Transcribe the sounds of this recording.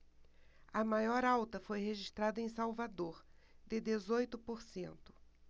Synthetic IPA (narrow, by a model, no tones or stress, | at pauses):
ɐmajɔɾawt̪ɐfojheʒiʃt̪ɾad̪ɐẽj̃sawvad̪oɾd̪ɪd̪ezojt̪ʊpoɾsḛ̃nt̪ʊ̥